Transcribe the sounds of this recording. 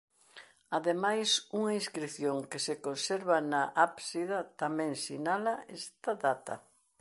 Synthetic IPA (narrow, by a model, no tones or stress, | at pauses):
aðemajsuŋɐĩskɾiθjoŋkesekonseɾβɐnaʔapsiðɐt̪amɛ̃ŋsinalɐest̪aðat̪ɐ̰